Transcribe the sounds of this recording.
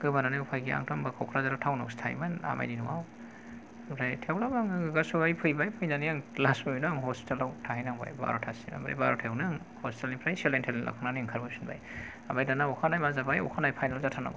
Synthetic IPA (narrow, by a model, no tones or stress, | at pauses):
ɡɯbananajupʰajɡia̰ŋtʰɔmbakʰɔwkʰɾazaɾatʰawna̰wstʰa̰jmɯna̰ma̰jninṵwaw | pʰɾajtʰewlabaŋɯɡɯɡasuajpʰɯjbajpʰɯjnanijaŋlasɯnɯŋɦɔspi̥telawtʰahajnaŋba̰jba̰ɾɔtʰasima̰bɾa̰ba̰ɾɔtʰawnɯŋ | hɔstelnipʰɾajselejntʰellʔa̰kʰaŋnaniŋkʰaɾbasinba̰j | abajdanaɔkʰanajmazabajɔ̰kʰanajpʰajnalzatʰana̰ɡ